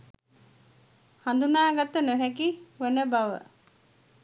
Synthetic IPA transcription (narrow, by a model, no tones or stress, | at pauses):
hand̪unaːɡat̪ːənoɦɛkiʋonəbaʋə̰